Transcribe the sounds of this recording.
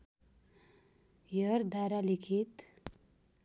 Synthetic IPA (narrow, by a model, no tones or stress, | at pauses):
jʌɾd̪aɾalikʰit̪